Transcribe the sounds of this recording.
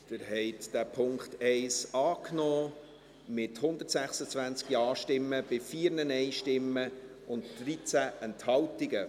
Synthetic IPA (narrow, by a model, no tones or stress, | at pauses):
d̥ɪɾɦɛɪtd̥æpʰʊŋkχtɛɪsɑːknɔː | mɪthʊnd̪əɾtsæχsət͡svænt͡skjɑːʃtɪmːəb̥ɪfiːɾnənɛɪʃtɪmːə | ʊntd̥ɾit͡sæʔɛnthɑltɪɡə